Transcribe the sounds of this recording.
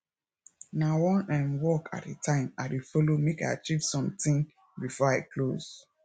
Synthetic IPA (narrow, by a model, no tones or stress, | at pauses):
nawɔ̃nãnwɔkʰa̰tetʰãɪ̃mawifɔlomekaɪa̰t͡ʃiv̥sɔ̃mtĩn | bifɔaɪkʰloz